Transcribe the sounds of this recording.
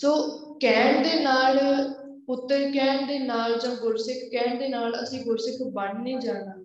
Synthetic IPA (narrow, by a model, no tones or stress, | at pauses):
soː | kɛːɳd̪eːnaːl | pʊt̪ːəɾkɛːɳd̪eːnaːld͡ʒãːɡʊɾsɪkʰkɛːɳd̪eːnaːlə̰sĩːɡʊɾsɪkʰbəɳniːd͡ʒaːnaː